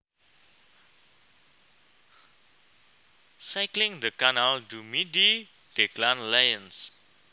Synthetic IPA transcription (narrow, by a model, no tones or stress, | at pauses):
sajklɪŋd̪əkanaldumidi | d̥eklanlajəns